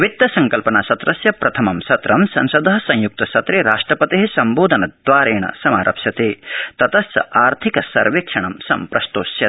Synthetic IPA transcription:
ʋit̪ːɐsɐŋkɐlpɐnasɐt̪ɾɐsjɐpɾɐt̪ʰɐmɐmsɐt̪ɾɐmsɐ̰nsɐd̪ʱɐɦɐsɐ̃ŋjuk̚t̪ɐsɐt̪ɾeːɾaːʂʈɾɐpɐt̪eɦisɐmboːd̪ʱɐnɐd̪ʋaːɾeːɳɐ̰sɐmaːɾʔɐ̰psjɐt̪eːt̪ɐt̪ɐsɐ̰aːɾt̪ʰikɐsɐ̰ɾʋeːkʂɐɳɐmsɐ̰mpɾɐst̪oːsjɐ

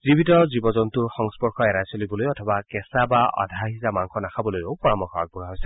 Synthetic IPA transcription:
zibitɔzibɔzɔntuɹxɔŋspɔɹkɔɛɹajsolibɔlojɔtʰɔbakɛsabaʔɔ̰dʱaɦizamaŋkʰɔnakʰabɔlojoʊpɔɹamɔxʰɔak̚buɹaɦojsɛ

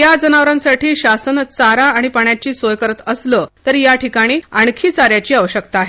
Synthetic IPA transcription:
jad͡zənaʋɾãnsaʈiːɕasənt͡saɾaːɽ̃ipəɳjat͡ɕiːsojkəɾət̪əslət̪əɾjaʈikaɽ̃iːaɳkʰiːt͡saɾjat͡ɕiːaʋəɕəkt̪aaɦe

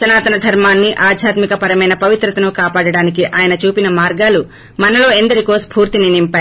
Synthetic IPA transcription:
sɐnaːt̪ɐnɐd̪ʱɐɾmaːnːiʔaːd̪ʱjaːt̪mikɐpɐɾɐmɐjnɐpɐʋit̪ɾɐt̪ɐnukaːpaːɽɐɽaːnikiʔaːjɐnɐt͡ʃuːpinɐmaːɾɡaːlu | mɐnɐlo̞ːend̪ɐɾikoːspʰuːɾt̪ininimpaːj

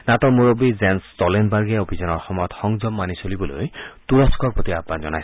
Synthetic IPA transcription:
nat̪ɔmoɹobizɛnstɔlenbaɹɡɛobʱizɔnɔɹxɔmɔjɔt̪xɔŋzɔmːanisolibɔlo̰jt̪uɹɔskɔɹpot̪iaapnanzɔna̰js

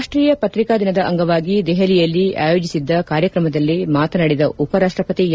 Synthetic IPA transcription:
ʂʈɾiːjɐpɐt̪ɾikaːd̪inɐd̪ɐʔɐ̰ŋɡɐʋaːɡid̪ɛɦɐlijɐlːia̰ːjo̞ːd͡ʒisid̪ːɐkaːɾjɐkɾɐmɐd̪ɐlːimaːt̪ɐnɐɽid̪ɐʔupɐɾaːʂʈɾɐpɐt̪ij

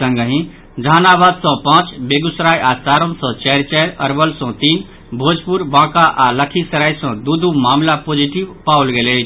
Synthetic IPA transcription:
ə̃ŋɡəɦĩ | d͡ʒʱanabad̪sɔ̃pãt͡ʃbeɡusɾajasaɾə̃nsɔ̃t͡ʃɛɾt͡ʃɛɾəɾbəlsɔ̃t̪iːn | bʱod͡ʒpuɾbãːkaʔaləkʰisəɾajsɔ̃d̪ud̪umaːmlapod͡ʒiʈiʋpaulɡele

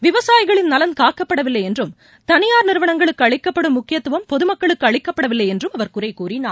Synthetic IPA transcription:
ʋɪʋɐsaːjɣɐɭɪnnɐlɐnkaːkɐpːɐɽɐʋɪlːɐɪjɛndrɯm | t̪ɐnɪjaːɾnɪɾɯʋɐɳɐŋɡɐɭɯkːɯɐɭɪkːɐpːɐɽɯmːʊkːɪjɐt̪ːɯʋɐmpɔðɯmɐkːɐɭɯkːɯɐɭɪkːɐpːɐɽɐʋɪlːɐjɛndrɯmɐʋɐɾkʊrɐɪkuːrɪnaː

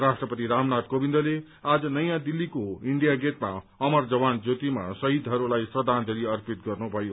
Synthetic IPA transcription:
rasʈrʌpʌt̪iɾamnad̪̚kobind̪ʌle | ad͡zʌnʌjãd̪ilːikoiɳɖijaɡet̪maʌmʌrd͡zʌwand͡zot̪ima̰sʌɦid̪ʱɦʌɾulajsrʌd̪ʱand͡zʌɾiʌrpit̪̚ɡʌrnubʱʌjo

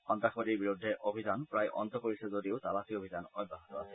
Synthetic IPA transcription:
ɔnt̪akʰoɾiɾbiɾud̪ʱːeʔobʱid͡ʒanpɾajʔɔ̰nt̪ɔkoɾisɔzoɾieot̪alasiobʱid͡ʒanɔjbːaɦit̪ɔa̰sʰe̥

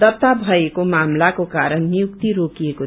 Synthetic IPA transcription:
ʌt̪abʱʌekomamlakokaɾʌnnijuk̚t̪iɾokieko

